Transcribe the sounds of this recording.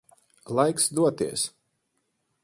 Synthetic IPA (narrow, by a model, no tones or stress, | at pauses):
lˠajksd̪uɔt̪iɛs